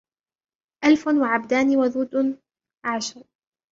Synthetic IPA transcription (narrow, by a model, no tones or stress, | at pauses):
ʔalfʊnwaʕabd̪aːniwaðuːd̪ | ʕaʃɑɾˤ